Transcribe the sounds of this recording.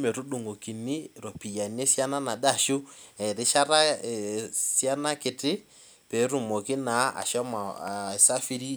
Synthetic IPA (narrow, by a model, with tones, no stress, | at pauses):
me˨ɾu˦ɗu˨ŋɡo˨ki˨ni˦ɾo˨pi˨ja˨ne˦sja˦na˦na˨da˦˨ʃu˦ɛ˨ɾɪ˨˦ʃa˦ɾa˦e˨sja˦na˦kɪ˨tɪ˦ | pe˨˦ɾu˨mo˨kɪ˦na˨˦a̰˨ʃɔ˦ma˨sa˦fi˦ɾi˦